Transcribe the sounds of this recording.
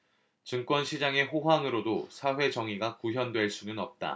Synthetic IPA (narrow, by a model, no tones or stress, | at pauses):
t͡ɕɯŋk͈wʌnɕʰid͡ʑaŋe̞ɸoɦwaŋɯɾodosʰaɸwe̞d͡ʑʌŋiɡakuɦjʌndwe̞ɭs͈unɯnʌp̚t͈a̰